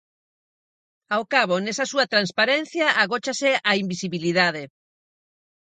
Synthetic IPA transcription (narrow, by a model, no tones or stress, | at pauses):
awkaβ̞onesɐsuɐt̪ɾanspaɾen̟θjaʔaɣot͡ʃaseaimbisiβiliðaðe